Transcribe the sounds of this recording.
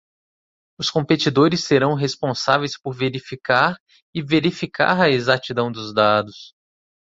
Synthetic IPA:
ʊskõmpet͡ʃid̪oɾɪsːeɾɐ̃w̃ɦespõsavejspoɾveɾifikaɾ | ɪveɾifikʰa̰ɾɐezat͡ʃid̪ɐ̃w̃d̪ʊzd̪ad̪ʊs

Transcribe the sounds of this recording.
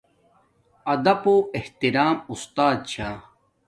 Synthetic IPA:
ɐd̪ɐpoːeht̪iɾaːmust̪aːd̪̚t͡ɕʰaː

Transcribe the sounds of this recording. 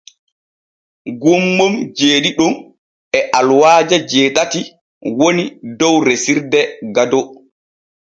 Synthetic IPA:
ɡumːɔmd͡ʒeːɗiɗum | ɛʔalwaːd͡ʒad͡ʒɛːtati | wonidɔwɾesiɾdɛɡadɔ

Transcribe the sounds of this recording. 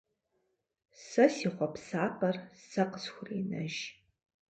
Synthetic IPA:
sɐsiːχʷɔpsaːpʰɐrsɐqəsxʷʊriːnɐ̰ʒ

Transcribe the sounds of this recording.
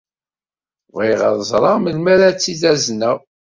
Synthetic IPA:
viʁəðˤzˤɾˤɑməlmæɾæt͡sːiðæznæ

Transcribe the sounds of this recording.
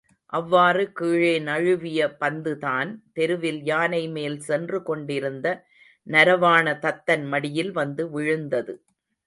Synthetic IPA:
ʔɐʋːaːrɯkiːɻeːnɐɻɯʋɪjɐpɐnd̪ɯðaːnt̪ɛɾɯʋɪljaːnɐɪmeːlsɛndrɯkɔɳɖɪɾɯnd̪ɐ | nɐɾɐʋaːnɐt̪ɐt̪ːɐnmɐɽɪjɪlʋɐnd̪ɯʋɪɻɯnd̪ɐðɯ

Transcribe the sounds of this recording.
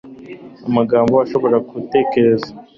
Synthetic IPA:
amaɡaːmboaʃo̞βo̞ɾakute̞ːke̞ɾe̞za

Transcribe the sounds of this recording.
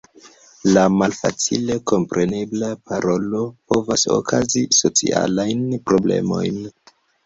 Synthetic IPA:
lamalfa̰t͡sḭle̞ko̞mpɾe̞ne̞blapaɾo̞lo̞po̞vaso̰kʰaziso̞t͡sḭa̰lajnpɾo̞ble̞̰mo̞̰jn

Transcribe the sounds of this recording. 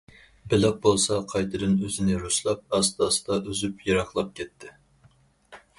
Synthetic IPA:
bɪlɑq̚bolˠsɑqʰɑjt̪ʰɨd̪ɨnøzɪnɪɾuslˠɑp̚ɑst̪ɑːsɨ̥d̪ɑʔøzypjɑɾɑχlˠɑp̚kʲɛt̪ʰːɪ

